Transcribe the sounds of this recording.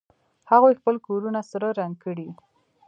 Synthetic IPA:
haɣojxpəlkoɾunasəɾaɾaŋ̚kəɽi

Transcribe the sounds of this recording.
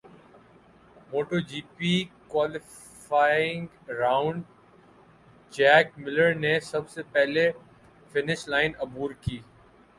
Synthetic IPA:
moːʈoːd͡ʒiːpikwaːlɪ | faːɪ̃ŋɡ | ɾaːʊ̃ɳɖ | d͡ʒɛːkmɪləɾnesɐbsepɛɦle | fɪnɪʃlaːɪnɐbuːɾkiː

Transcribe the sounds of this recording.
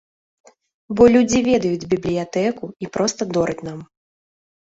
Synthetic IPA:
bɔlʲud͡zʲivʲɛd̪ɐjud͡zʲbʲiblʲijat̪ɛkuipɾɔst̪ɐd̪ɔɾɨt͡sʲnam

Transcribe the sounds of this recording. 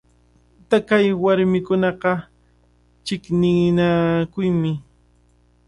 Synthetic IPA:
t̪akajwaɾmɪkʊnɑqɑ | t͡ʃɪknɪnakʊjmɪ

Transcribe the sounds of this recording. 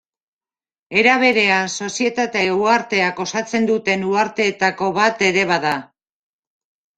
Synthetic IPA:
e̞ɾaβ̞e̞ɾe̞anso̞sie̞t̪at̪e̞uaɾt̪e̞ako̞sat͡se̞nd̪ut̪e̞nuaɾt̪e̞ːt̪ako̞βat̪e̞ɾe̞β̞aða

